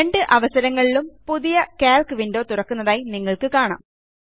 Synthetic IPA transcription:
eɳɖɨʔɐʋɐsɐɾɐŋːɐɭilumpuðijɐkaːlkɨʋindo̞ːt̪urɐkːunːɐðaːjiniŋːɐɭkɨkaːɳa̰ːm

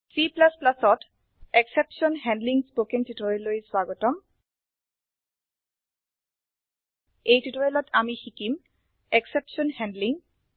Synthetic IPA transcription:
siplasplasɔt | eksepsɔnɦɛndliŋspokeŋtitɔjlojswaɡɔtɔm | ejtitɔjɔlɔtʰamixikim | eksepsɔnhɛ̃ndliŋ

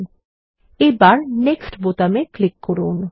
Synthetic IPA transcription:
n | ebaɾneksʈbot̪ameklikːoɾun

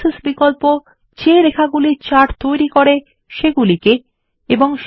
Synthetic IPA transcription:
isbikolpo | t͡ɕeɾekʰaɡuliɾt͡ɕaɾt̪ojɾikoɾe | ʃeɡulike | eboŋʃ

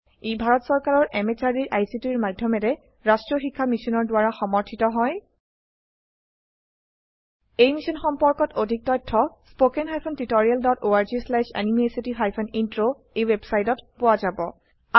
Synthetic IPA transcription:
ebʱaɹɔtsɔɹkaɹɔɹʔɛmet͡ʃaɹdiɹʔajsitiɹmadʱjɔmɛɾɛ | ɹastɹɔxikʰːamisinɔɹdʊwaɹaxɔmɔɹtʰitɔɦɔj | ejmisɔnxɔmpɔɹkɔtodʱik̚tɔjtʰːɔspokenɦajpʰɔntitoɹialdɔtoaɹzislaʃa̰nimesitiɦajpʰɔnintɹo | ejwebsajtɔtpʊwazabɔ | a

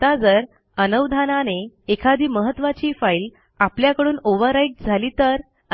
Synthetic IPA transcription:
t̪ad͡zəɾ | ənəʋd̪ʱananeekʰad̪ʱiːməɦət̪ːʋat͡ɕiːfail | apljakəɽuːnoʋəɾajʈ̚d͡zʱaliːt̪əɾ

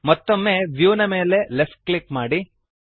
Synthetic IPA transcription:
mɔt̪ːomːeʋjuːnɐme̞ːle̞lefʈ̚klikmaːɽi

